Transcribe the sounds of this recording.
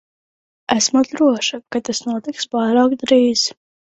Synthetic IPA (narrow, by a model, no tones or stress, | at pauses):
æsmatd̪ɾuɔʃakat̪asnuɔt̪ikspaːɾaːkd̪ɾiːz̥